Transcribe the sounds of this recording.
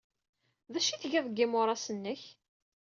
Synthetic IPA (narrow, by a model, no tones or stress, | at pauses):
ðæʃiθʝæðˤəɡːimʊɾˤɑsənːəç